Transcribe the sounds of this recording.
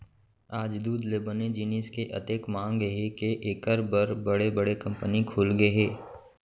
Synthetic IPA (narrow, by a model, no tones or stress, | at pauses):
aːd͡ʒd̪uːd̪leːbəned͡ʒiːniːskeʔɐ̰t̪eːkmãːŋɡɦekeʔeːkəɾbəɾbɐɽebɐɽekɐ̃mpənikʰuːlɡeɦeː